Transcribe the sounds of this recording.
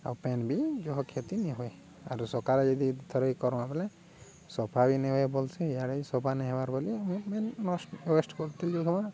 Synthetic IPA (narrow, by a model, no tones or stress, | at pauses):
a̰wpɛnbid͡ʒɔɦɔkʰet̪iniɦɔe | a̰ɾusɔkaɾɛd͡ʒɔd̪it̪ʰɔɾejkɔɾɔmabɛlɛ | sɔpʰabinɛɦɔebɔlsɛjaɽejsɔpʰanɛɦɛbaɾbɔlimmɛnːɔsʈwesʈkɔɾt̪ild͡ʒɔkʰɔma